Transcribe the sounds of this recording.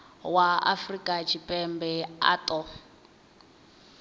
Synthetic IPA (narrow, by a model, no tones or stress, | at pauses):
waa̰frikʼat͡ʃʰipʼɛmbɛa̰tʼɔ